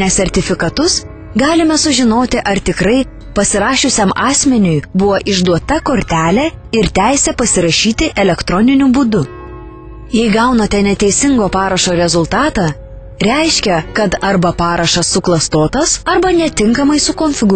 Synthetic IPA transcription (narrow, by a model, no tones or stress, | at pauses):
nʲɛsʲɛɾʲt̪ʲɪfʲɪkɐt̪ʊs | ɡɑːlʲɪmʲɛsʊʒʲɪnoːt̪ʲɪʔɐɾt̪ʲɪkɾɐɪ | pɐsʲɪɾɑːʃʲʊsʲɛmɑːsʲmʲɛnʲʊjbʊʋoːʔɪʒd̪uɔt̪ɐkoːɾʲt̪ʲæːlʲɛɪɾt̪ʲæɪsʲɛpɐsʲɪɾɐʃʲiːt̪ʲɪʔɛlʲɛkt̪ɾɔnʲɪnʲʊbʊd̪ʊ | jɛɪɡɑʊnɐt̪ʲɛnʲɛt̪ʲɛɪsʲɪŋɡoːpɑːɾɐʃoːɾʲɛzʊlˠt̪ɑːt̪ɑ | ɾʲɛɪʃʲkʲɛkɐt̪ɐɾbɐpɑːɾɐʃɐsːʊklˠɐst̪oːt̪ɐsɐɾbɐnʲɛt̪ʲɪŋkɐmɐɪsʊkonʲfʲɪɡ